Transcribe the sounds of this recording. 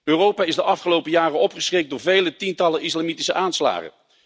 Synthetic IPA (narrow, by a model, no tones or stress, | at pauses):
øːrowpaːɪzdəʔɑfχəlowpəjaːrəɔpχəsrek̚dʊːɹvejlətintɑləʔɪslamitisəʔaːnsla̰ːχə̰n